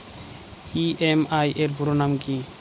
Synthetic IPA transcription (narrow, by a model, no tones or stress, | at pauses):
iemajʔeɾbʱuɾonamki